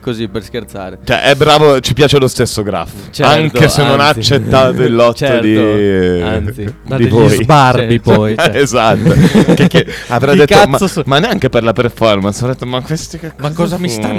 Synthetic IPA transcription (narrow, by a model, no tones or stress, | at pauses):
koziperskeɾt̪saːɾet͡ʃɛ̰ʔɛbːɾaːvot͡ʃipjaːt͡ʃelost̪esːoɡɾa̰faŋt̪kesenːonaːt͡ʃːet̪ːaːt̪oilːɔt̪ːod̪i | id̪ivojzbarbipɔjezat̪ːokekːeavɾajd̪etk̪ːamamanːeaŋk̟eperlaperfɔrmansavɾad̪et̪ːomakwest̪ikekːzkːɔzamisa